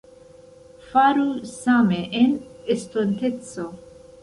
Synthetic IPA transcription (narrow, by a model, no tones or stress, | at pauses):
faɾusaːmeʔenɪst̪ont̪et͡so